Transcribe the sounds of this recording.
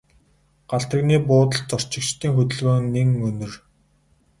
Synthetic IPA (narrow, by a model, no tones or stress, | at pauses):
ɢ̥aɬt̪ə̆ɣniːpʊːt̪ə̆ɮt͡sɔr̥t͡ɕɪ̆kt͡ɕt̪ʰiːŋxɵt̪ɵ̆ɮwoːŋneŋɵnɵ̆r